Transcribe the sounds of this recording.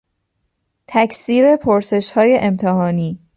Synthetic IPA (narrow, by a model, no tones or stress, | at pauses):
t̪ʰæcsiːɾe̞pʰoɾse̞ʃhɒːje̞ʔemt̪ʰeɦɒːniː